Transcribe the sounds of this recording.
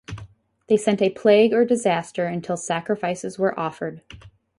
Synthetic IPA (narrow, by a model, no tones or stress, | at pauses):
ðeɪsɛ̃ntɨpʰl̥eɪɡə˞dɨzæstə˞ɨ̃ntʰɪlˠsækɹɨfaɪsɨzwə˞ʔɔfə˞d̥̚